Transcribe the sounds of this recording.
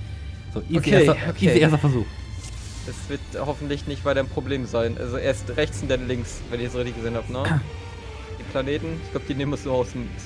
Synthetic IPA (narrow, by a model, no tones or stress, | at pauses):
z̥oːʔiokːeːokʰieːeːɐs̬tɐfɛɐzuːx | d̥ɛsv̥ɪɐthɔfn̩tlɪçnɪçtv̥aɪtɐɪnpʁ̥obleːmzaɪnʔa̰lzoʔeːɐstʁɛçt͡sʊndɛlɪŋksvɛnɪç̥szoːʁɪçtɪçɡəzeːnhaːbnə | d̥iːpʰl̥aneːtn̩ɪçɡ̥laʊbə̥d̥iːneːmənəsnuːɐaʊsm